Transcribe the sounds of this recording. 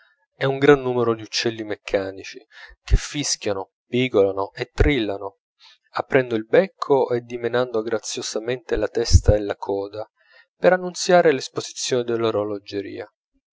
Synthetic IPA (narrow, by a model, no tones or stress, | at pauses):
ɛuŋɡɾanːuːmeɾod̪iut͡ʃːɛlːimekʰːaːnit͡ʃikefːiskjano | piːɡolanoʔet̪ːɾilːano | apːɾɛnd̪oilbɛkʰːoʔed̪ːimenand̪oɡɾat̪sːjosament̪elat̪ɛst̪aelːakʰɔːd̪a | peɾanːunt̪sjaːɾelespozi̥t̪sːjoːned̪elːoɾolod͡ʒeɾḭːa